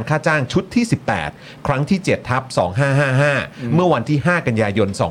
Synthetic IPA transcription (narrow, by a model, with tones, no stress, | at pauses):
nkʰaː˥˩t͡ɕaː˥˩ŋt͡ɕʰu˦˥t̪ʰːiː˥˩si˨˩pːɛ̰ː˨˩t̪̚ | kʰɾa˦˥ŋt̪ʰiː˥˩t͡ɕe˨˩t̪ʰːa˦˥p̚sɔː˩˦ŋɦaː˥˩ɦaː˥˩ɦaː˥˩mɯ˥˩ɐwa˧nt̪ʰiː˥˩ɦaː˥˩ka˧njaː˧jo˧nsɔ̰ː˩˦